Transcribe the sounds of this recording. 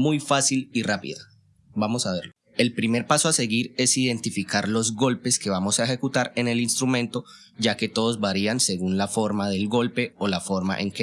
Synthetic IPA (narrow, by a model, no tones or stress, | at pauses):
mujfasilirapḭða | bamo̞saβe̞ɾloe̞lpɾime̞ɾpasoase̞ɣiɾe̞siðe̞nt̪ifikaɾlo̞zɡo̞lpe̞ske̞βamo̞saexe̞kut̪aɾe̞ne̞linst̪ɾumẽ̞nt̪o̞ | d͡ʒake̞t̪o̞ðo̞zbaɾianse̞ɣunlafo̞ɾmaðe̞lɡo̞lpe̞olafo̞ɾma̰ʔe̞ŋke